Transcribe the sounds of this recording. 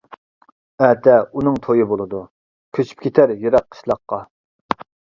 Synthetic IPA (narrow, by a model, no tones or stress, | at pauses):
ɛt̪ʰɛunɨŋt̪ʰojibolˠɨd̪u | kʲʰøt͡ʃʰy̥p̚kʲʰet̪ʰæɾjeɾɑqʰːə̥ʃlˠɑqːɑ